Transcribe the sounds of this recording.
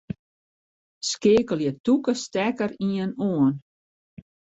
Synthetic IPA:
skeːkəlˠjətukəstɛkəɾiənoən

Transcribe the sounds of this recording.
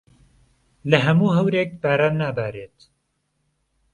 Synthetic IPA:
lɐɦɐmuːɦɐwɾeːk̚baːɾaːnːaːbaːɾet̪

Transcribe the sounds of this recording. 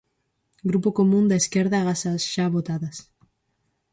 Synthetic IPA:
ɡɾupokomũnd̪aeskeɾðaɣasasʒaβot̪aðɐs

